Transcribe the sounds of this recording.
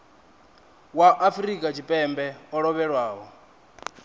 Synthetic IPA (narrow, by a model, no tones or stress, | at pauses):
waʔːfɾikʼat͡ʃʰipʼɛmbɛɔɺɔβɛɺwaːɦɔ